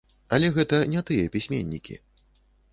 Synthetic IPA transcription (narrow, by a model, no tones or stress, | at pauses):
ɐlʲɛɣɛt̪ɐnʲɛt̪ɨjɛpʲisʲmʲḛnʲːḭkʲḭ